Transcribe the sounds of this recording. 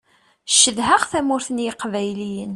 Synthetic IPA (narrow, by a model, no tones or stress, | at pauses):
ʃəðɦəʁθæmʊɾθənjiqvæjlijən